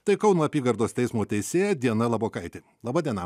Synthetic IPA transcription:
t̪ɐɪkɐʊnoːɐpʲiːɡɐɾd̪oːst̪ʲɛɪsmoːt̪ʲɛɪsʲeːjɛd̪ʲiɛnɐlˠɑboːkɐɪt̪ʲɪ | lˠɐbɐdʲiɛnɐ

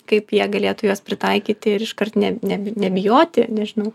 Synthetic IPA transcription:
kɐɪpjiɛɡɐlʲeːt̪ʊjoːspʲɾʲɪt̪ɐɪkʲiːt̪ʲɪɪɾɪʃkɐrt̪nʲɛnʲɛbʲɪnʲɛbʲɪjoːt̪ʲɪnʲɛʒʲɪnɐʊ

